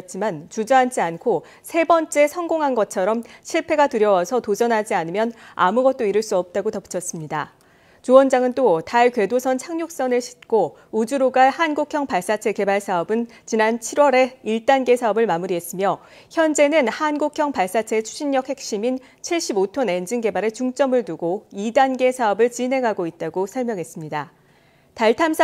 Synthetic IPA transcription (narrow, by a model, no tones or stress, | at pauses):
t͡ɕ͈imant͡ɕud͡ʑʌɦant͡ɕʰiankʰo | sʰe̞bʌnt͡ɕ͈e̞sʰʌnɡoŋɦanɡʌt͡ɕʰʌɾʌmɕʰiɭpʰe̞ɡatɯɾjʌwasʰʌtod͡ʑʌnɦad͡ʑianɯmjʌna̰muɡʌt̚t͈oiɾɯɭs͈uʌp̚t͈aɡotʌp͈u̥t͡ɕʰʌs͈ɯmɲida | t͡ɕowʌnd͡ʑaŋɯnt͈otaɭkwe̞dosʰʌnt͡ɕʰaŋɲok̚s͈ʌnɯɭɕʰi̥t̚k͈o | ud͡ʑuɾoɡahanɡukʰjʌŋpaɭs͈at͡ɕʰe̞ke̞baɭsʰaʌbɯn | t͡ɕinant͡ɕʰiɾwʌɾe̞iɭt͈anɡe̞sʰaʌbɯɭmamuɾiɦe̞s͈ɯmjʌ | çjʌnd͡ʑe̞nɯnhanɡokʰjʌŋpaɭs͈at͡ɕʰe̞t͡ɕʰu̥ɕʰinɲʌk̚he̞k̚ɕ͈imin | t͡ɕʰiɭɕ͈ibotʰone̞nd͡ʑiŋɡe̞baɾe̞t͡ɕuŋt͡ɕ͈ʌmɯɭtuɡoidanɡe̞sʰaʌbɯɭt͡ɕine̞ŋɦaɡoit̚t͈aɡosʰʌɭmjʌŋɦe̞s͈ɯmɲida | taɭtʰamsʰ